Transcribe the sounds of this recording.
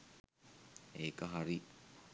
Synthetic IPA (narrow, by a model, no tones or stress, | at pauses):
eːkəɦaɾi